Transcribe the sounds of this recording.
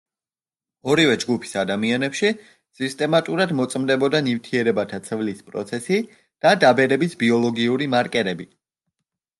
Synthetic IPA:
ɔɾivɛd͡ʒɡupʰi̥sad̪amianɛpʃi | sist̪ʼɛmat̪ʼuɾad̪mɔt̪sʼmd̪ɛbɔd̪anivt̪ʰiɛɾɛbat̪ʰat̪sʰvlispʼɾɔ̰t̪sʰɛsi | d̪̥ad̪abɛɾɛbisbiɔlˠɔɡiuɾimaɾkʼɛɾɛbi

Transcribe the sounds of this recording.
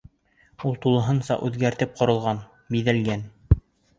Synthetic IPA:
ulˠt̪ulˠɤ̆ɦɤnsɑ̰ʔʉðɡæɾt̪ɘp̚qŏɾɤ̆lˠʁɑn | biðælɡæn

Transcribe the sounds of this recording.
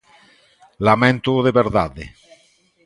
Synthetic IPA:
lamẽnt̪oðeβeɾðaðḛ

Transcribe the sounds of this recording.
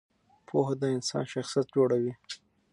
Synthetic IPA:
pʰoɦad̪əɪnsɑ̰nʃaxsijat̪̚d͡ʒoɽawi

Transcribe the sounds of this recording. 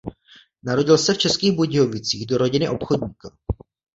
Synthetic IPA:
naɾo̞ɟɪlsɛft͡ʃɛskiːɣboɟɪovɪt͡siːɣdo̞ɾo̞ɟɪnɪʔo̞pxo̞ɟɲiːka

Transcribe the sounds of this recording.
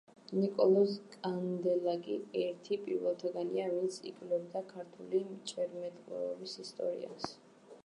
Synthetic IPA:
nikʼɔlˠɔskʼand̪ɛlaɡiɛɾt̪ʰipʼḭɾvɛlˠt̪ʰaɡaniavint̪sʰḭkʼlɛbd̪akʰaɾt̪ʰulimt͡ʃʼɛɾmɛt̪ʼqʼɛɔbisist̪ʼɔ̰ɾḭa̰s

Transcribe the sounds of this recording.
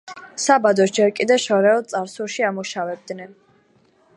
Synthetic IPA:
sabad̪ɔd͡ʒɛɾkʼid̪ɛʃɔɾɛɔt̪sʼaɾsuɾʃiamuʃavɛb̚d̪nɛn

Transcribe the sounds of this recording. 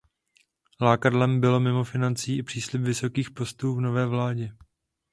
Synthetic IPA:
laːkadlɛmbɪlo̞mɪmo̞fɪnant͡siːʔɪpr̥iːslɪpvɪso̞kiːxpo̞st̪uːvno̞vɛːvlaːɟɛ

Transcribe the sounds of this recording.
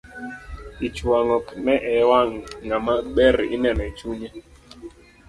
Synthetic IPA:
it͡ʃwaŋɔpmɛʔɛwaŋŋamaɓɛɾḭnɛnɛt͡ʃuɲɛ

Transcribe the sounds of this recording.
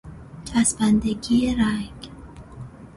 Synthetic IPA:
t͡ʃʼʰasband̪eɡieɾaɡ

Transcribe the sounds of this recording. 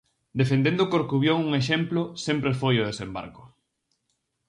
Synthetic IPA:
d̪efend̪ẽnd̪ʊkoɾkuβjoŋuŋeʃemplʊsempɾefojʊð̞esemba̰ɾkʊ̥

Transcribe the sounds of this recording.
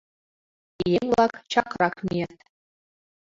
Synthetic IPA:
ijeŋʋlˠɑkt͡ɕɑkrɑkmʲiet̪̚ʲ

